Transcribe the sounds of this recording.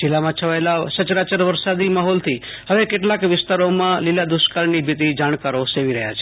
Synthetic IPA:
d͡ʒilamãt͡ʃʰəʋaelasət͡ʃɾat͡ʃəɾʋəɾsad̪imaɦɔlt̪ʰi | həʋekeʈlakʋɪst̪aɾomãlilad̪uʃkaɾnibʱit̪id͡ʒaɽ̃kaɾoseʋiɾəɦja̰t͡ʃʰe

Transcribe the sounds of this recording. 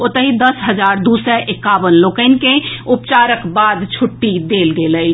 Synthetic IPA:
ot̪əɦid̪əsɦəd͡ʒaɾd̪usɛʔekaʋənlokəɪnkeupt͡ʃaɾəkbad̪t͡ʃʰuʈːid̪elɡeləɪ

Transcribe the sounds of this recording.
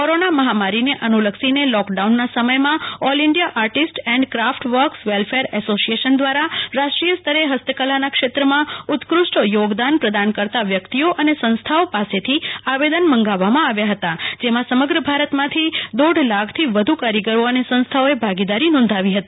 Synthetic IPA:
koɾonaməɦamaɾineʔənuləksinelɔkɖaunːasəməjmãɔlɪɳɖijaʔaɾʈisʈɛ̃ɳɖkɾafʈʋəɾksʋelfeɾɛsosijeʃənd̪ʋaɾaɾaʃʈɾijəst̪ʰəɾeɦəst̪əkəlanakʃet̪ɾəmãut̪kɾusʈjoɡd̪anpɾəd̪ankəɾt̪aʋjəkt̪ioʔənesə̃ñst̪ʰaopaset̪ʰiaʋed̪ənmə̃ŋɡaʋːamãaʋjaɦət̪ad͡ʒemãsəməɡɾəbʱaɾət̪mãt̪ʰid̪oɖlaɡt̪ʰiʋəd̪ʱukaɾiɡəɾoənesə̃ñst̪ʰaoebʱaɡid̪aɾinɔ̃nd̪ʱaʋiɦət̪i

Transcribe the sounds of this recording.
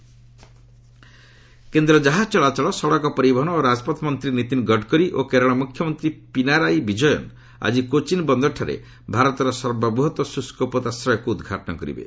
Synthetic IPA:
kend̪ɾɔd͡ʒaɦad͡ʒt͡ʃɔɭat͡ʃɔɭɔsɔɽɔkɔpɔɾibɔɦɔnɔoɾad͡ʒɔpɔt̪mɔnt̪ɾinit̪inɡɔɖkɔɾiʔokeɾɔɽ̃ɔmukʰjɔmɔnt̪ɾipinaɾajbid͡ʒɔjɔ̰n | a̰d͡ʒikot͡ʃinbɔnd̪ɔʈʰaɾḛ | bʱaɾɔt̪ɔɾɔsɔɾbabuɦɔt̪wɔsuskopɔt̪asɾɔjɔkuːd̪ɡʱaʈɔnɔkɔɾḭbḛ

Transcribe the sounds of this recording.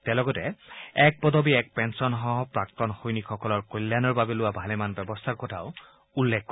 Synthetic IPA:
tɛlɔɡɔtɛɛk̚pɔdʱɔbiɛk̚pɛnsɔnɦɔɦɔpɹak̚tɔnxojnikxɔkɔlɔɹkolːanɔɹbabɛlʊwabʱalɛmanbɛbɔstʰaɹkɔtʰaʊ | ulːɛkːɔ

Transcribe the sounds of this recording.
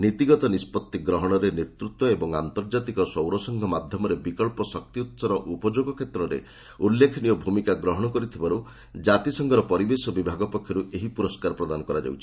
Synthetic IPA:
nit̪iɡɔt̪ɔnispɔt̪ːiɡɾɔɦɔɽ̃ɔɾenet̪ɾut̪wɔebɔŋa̰nt̪ɔɾd͡ʒat̪ikɔsɔwɾɔsɔŋɡʱɔmad̪ʱjɔmɔɾebikɔɭpɔsɔk̚t̪iut̪saɾɔʔupɔd͡ʒoɡɔkʰet̪ɾɔɾḛ | ulːekʰnijɔbʱumikaɡɾɔɦɔɽ̃ɔkɔɾit̪ʰibaɾu | d͡ʒat̪isɔŋɡʱɔɾɔpɔɾibesɔbibʱaɡɔpɔkʰjɔɾuʔeɦipuɾɔskaɾɔpɾɔd̪anɔkɔɾad͡ʒa̰wt͡ʃʰi̥

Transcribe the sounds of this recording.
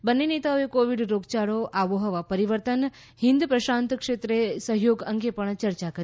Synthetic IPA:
bənːenet̪aoekoʋiɖɾoɡt͡ʃaɽoʔaʋoɦəʋapəɾiʋəɾt̪ən | ɦĩnd̪pɾəʃant̪kʂet̪ɾesəɦjoɡəŋɡepəɳt͡ʃəɾt͡ʃakəɾ

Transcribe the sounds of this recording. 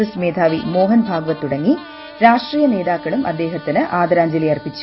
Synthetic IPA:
ɐsmeːd̪ʱaːʋimo̞ːɦɐnbʱaːɡɐʋɐt̪ːuɽɐŋːi | ɾaːʂʈriːjɐne̞ːd̪aːkːɐɭumʔɐd̪ːe̞ːɦɐt̪ːinɨʔaːd̪ɐɾaːɲd͡ʑɐlijɐrpit͡ɕːu̥

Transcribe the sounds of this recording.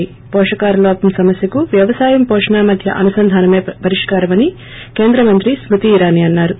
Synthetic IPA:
i | pɔːʂɐkaːɾɐloːɐpɐmsɐmɐsjɐkuʋjɐʋɐsaːjɐmpɔːʂɳaːmɐd̪ʱjɐ̰ʔɐnusɐnd̪ʱaːnɐmeːpɐɾiʂkaːɾɐmɐni | ke̞ːnd̪ɾɐmɐnt̪ɾismut̪iːɾaːniɐnːaːɾu

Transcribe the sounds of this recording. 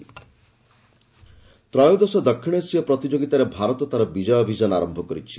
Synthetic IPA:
t̪ɾɔjud̪ɔsɔd̪ɔkʰːiɽ̃esiɔpɾɔt̪id͡ʒoɡit̪aɾebʱaɾɔt̪ɔt̪aɾɔbid͡ʒɔjɔbʱid͡ʒɔnaɾɔmbʱɔkɔɾit͡ʃʰi̥

